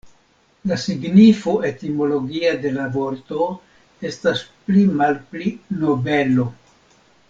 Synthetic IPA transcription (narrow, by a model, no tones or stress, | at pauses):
lasiɡnifoe̞timo̞lo̞ɡiade̞lavo̞ɾto̞ | e̞stasplimalplino̞be̞lo